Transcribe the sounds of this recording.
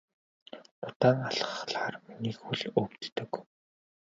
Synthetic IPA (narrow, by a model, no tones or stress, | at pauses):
ʊt̪aːŋaɮə̆χɮaːrminiːxuɮɵkt̪ːɘ̆k